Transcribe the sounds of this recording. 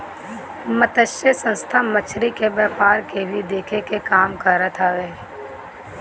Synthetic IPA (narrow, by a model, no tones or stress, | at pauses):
mət̪əʃəsə̃nst̪ʰamət͡ʃʰɾikebɛːpaːɾkebʱid̪eːkʰekekaːmkəɾət̪ʰaːʋeː